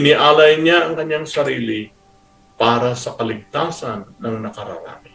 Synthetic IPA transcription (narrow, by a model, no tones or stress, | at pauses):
ɪnɪʔaːlɐjɲaʔɐŋkɐɲaŋsɐɾiːlɪ | paːɾasɐkɐlɪɡ̚t̪aːsanːɐŋnɐkɐɾɐ̰ɾa̰ːmɪ